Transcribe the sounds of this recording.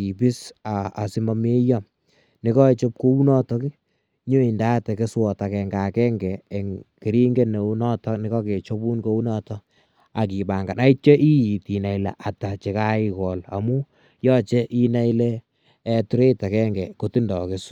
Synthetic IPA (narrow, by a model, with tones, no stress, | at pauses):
i˨pi˦saː˨si˦ma˦me˦ja˦ | nɪ˦kɔ˦e˨t͡ʃo˦p̚ko˦u˦nɔ˦tɔ˦ki˦ | ɲo˦i˨nda˦tɛ˨ke˦swɔ˨ta˨kɛ˨ŋɡa˨kɛ˦ŋɡɛː˨ŋke˨ɾi˦ŋɡe˦ne˨u˦nɔ˦tɔ˦nɪ˦kɔ˦ke˨t͡ʃo˦bu˦nko˦u˦nɔ˦tɔ˦ | a˨k̬i˨ba˨ŋɡa˨na˦i˦tt͡ʃe˦ʔi˦ji˨ti˨na˨i˨la̰˨ʔa˨ta˨t͡ʃe˨ka˦i˦kɔ˨la̰˨mu˦ | jɔ˦t͡ʃe˦ʔi˦na˦i˦leː˦ | tu˦ɾe˦ta˨kɛ˦ŋɡɛ˨ko˦ti˦ndɔ˨kes